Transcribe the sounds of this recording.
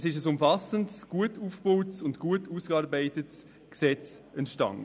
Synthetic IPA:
sɪʃəsʊmfɑsəntsɡ̥uətuːfb̥oːwtsʊntɡ̥uətuːskɑːɾbaɪtəts | ksɛt͡sənʃtɑ̰ŋ

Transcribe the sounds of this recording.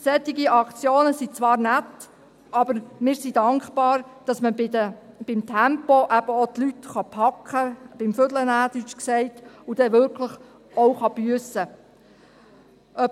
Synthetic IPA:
sɛt̪ːɪɡiʔɑkt͡sjoːnəsit͡sʋɑːɾnæt | ʔɑb̥əɾmɪːɾsidɑŋkχpɑːɾd̥ɑsməɪdə | b̥ɪmt̪ʰæmpoʔæb̥əot̪lyt̪χɑpʰɑkχəb̥ɪmfødlənæːdyt͡ʃksɛɪtud̥ɛʋʏɾkʰləχ | oʊχɑb̥yəsə | ʔœ

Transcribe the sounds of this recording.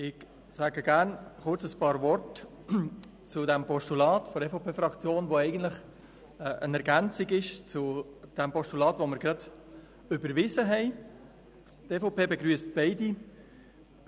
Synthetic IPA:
ɪɡ | sæːɡəɡ̥æːɾnχʊɾt͡səspɑːɾvɔrt | t͡sʊdɛmpɔʃtulɑːtfɔɾɛfoʊpʰeːfɾɑkt͡sjoːnʋoɛɪɡən̩tlɪχ | ʔənɛɾɡænt͡sɪɡɪʃt͡sʊd̥ɛmpɔʃtulɑːtʋomɪɾɡrɑd̥ | ʏbəɾvɪzəɦɛɪ | tefoʊpʰeːbeɡɾyːəstb̥ɛɪdi

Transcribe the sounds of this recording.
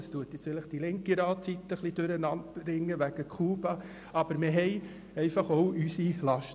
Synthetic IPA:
stuətjɪt͡sfɪləχd̥ilɪŋkiɾɑːtt͡sit̪ːəχlid̥øɾənɑntɾɪŋːəʋæɡ̥əkʰuːbɑ | ɑb̥əɾmɪɦɛɪ | ɛɪfɑχoʊʔysilɑʃt

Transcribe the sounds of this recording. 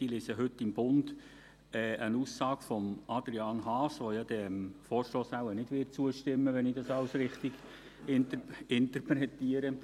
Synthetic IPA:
iliːsəɦɵtːɪmbʊnd | ɛːənuːsɑːɡ̥fɔmɑd̥̪ɾiɑːnɦɑːsʋojɑd̥̪ɛmfɔːɾʃloːsawənɪd̥ʋɪt̚t͡suəʃtɪmːəʋɛnɪdɑsɑlsɾɪχt̪ɪɡ̥ | ɪntɪnt̪əɾpɾɛt̪iəɾə

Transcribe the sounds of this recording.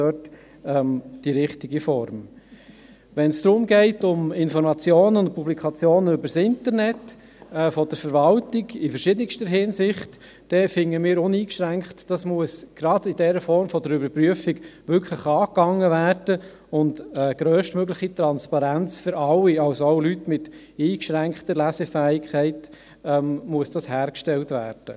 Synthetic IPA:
œt | ɛmd̥iɾɪχtɪɡifɔɾm | ʋɛnsd̥̪ɾʊmɡɛɪtʊmɪnfɔɾmɑt͡sjoːnəʊnt̚publikʰɑt͡sjoːnəʏbəɾsɪntəɾnɛtː | fɔd̥əɾfəɾʋɑltɪɡɪfəɾʃɪdənɪkʃtəɦɪnsɪχt | d̥ɛfɪŋːəmɪːɾʊniːkʃɾæŋktd̥ɑsmuəsɡ̥ɾɑd̥ɪd̥ɛɾəfɔɾmfɔdəɾʏbəɾpryəfiɡʋʏɾkχləχɑːkɑŋːəvæːrd̥ə | ʊndɛɡ̥ɾœːʃtmøɡlɪχit̪ɾɑnspɑɾænt͡sfʏɾɑwiɑwsooʊlytmɪt | iːkʃɾæŋkχtəlæsɛfæːɪkʰχɛɪt | ɛmmuəsd̥ɑshæːɾkʃtɛltvæ̰ːɾd̥ə̰

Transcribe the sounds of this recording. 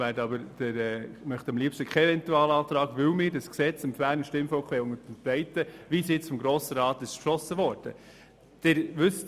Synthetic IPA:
æːɾdɑbəɾd̥ɪɾɛːmœχt̪ɑmliəpʃtəkʰɛɛvɛntuɑːlɑːtɾɑːɡʋɪwmɪːɾdɑsksɛt͡sɪmfæːnəʃtɪmfɔʊkʰʋeːʊŋəd̥ɛnpɾɛɪtːəʋiːsjɪt͡sfɔmɡɾoːsəɾɑːt̪ɪʃtkʃlɔsəvɔːɾd̥ə̰ | d̥ɪɾvʏst

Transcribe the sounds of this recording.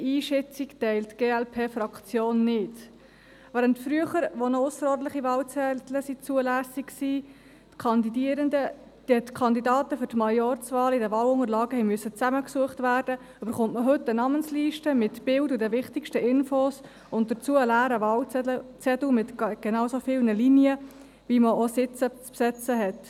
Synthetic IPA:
iːʃɛt͡siktɛɪltɡ̥eːɛlpʰeːfɾɑkt͡sjoːnːɪt | væːɾəntfɾyəχəɾʋonɔʊsəɾɔrɾlɪχivɑːlt͡sɛtləsit͡suəlæːsikksiː | tkʰɑndidiəɾəndə | d̥itkʰɑndidɑːtəfʏɾtmɑjɔɾt͡sʋɑːlidəvɑːlʊŋəɾlɑːɡəhɛɪmyəsət͡sæməksuəχtvæːrd̥ə | øbəɾχʊntməɦɵtːənɑmənsliːʃtəmɪtb̥ɪldudɛvɪχtɪkʃtəʔɪnfos | ʊnt̚d̥ət͡suəlæːɾəvɑːlt͡sɛət͡sɛdumɪtɡ̥enɑwsofɪːlnəliniə | viməosɪt͡sət͡spsɛt͡səɦɛt

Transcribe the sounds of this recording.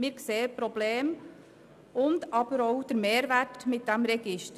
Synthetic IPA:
mɪːɾkseːəpɾobleːm | ʊnd̪ɑb̥əɾoʊd̥əɾmeːɾʋætmɪt̚d̥ɛmɾɛɡ̥ɪʃtə

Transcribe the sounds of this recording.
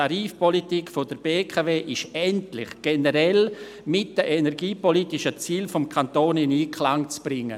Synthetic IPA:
aɾiːfpɔlitikfodəɾbeːkʰaveːʔɪʃɛntlɪ̰χɡ̥ɛnəɾɛl | mɪt̚d̥əʔenɛɾɡiːpɔliːtɪʃət͡siːlfɔmkʰantoːnɪniːkʰlaŋt͡sb̥ɾɪŋːə̰

